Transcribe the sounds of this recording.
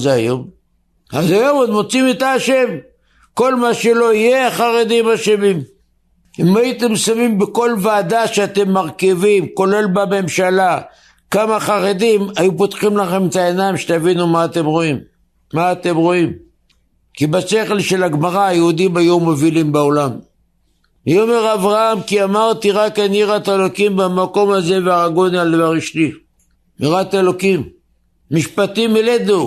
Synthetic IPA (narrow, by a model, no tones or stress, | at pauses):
zeajo̞m | azajo̞mod̪mo̞t͡simit̪aʃe̞m | ko̞lmaʃe̞lo̞ijeχaʁed̪imaʃemim | imajit̪e̞msamimbeko̞lvaːd̪aʃeat̪e̞mːaʁkivimko̞le̞lbame̞mʃala | kamaχaʁed̪imajupot̪χimlaχe̞met̪ae̞naimʃet̪avinumaːt̪e̞mʁo̞imː | aːt̪e̞mʁo̞im | kibase̞χelʃe̞laɡmaʁaːjeud̪imhajumovilimbeo̞lam | miome̞ʁavʁaamkiamaʁt̪iʁakaniʁat̪elokimbamako̞maze̞veaaɡo̞nialvaʁiʃli | miʁat̪elo̞kimː | iʃpat̪imeled̪u